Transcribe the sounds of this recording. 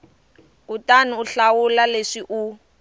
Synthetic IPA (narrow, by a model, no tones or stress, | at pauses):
utanuːɬawulaleʂiʔu